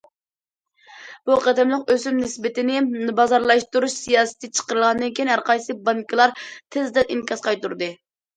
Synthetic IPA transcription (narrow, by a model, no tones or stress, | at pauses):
b̥uqʰɑd̪ɛmlˠɨqøzymnɪsbɪt̪ɪnɪbɑzɑɾlˠɑʃt̪uɾuʃsijɑːsɨ̥t̪ɨt͡ʃʰə̥qəɾɨlˠʁɑnd̪ɨnkʲʰiinɦæɾqʰɑjsɨbɑŋkʰəlˠɑɾt̪ʰɪzd̪ɛninkʲʰɑsqɑjt̪uɾd̪ɨ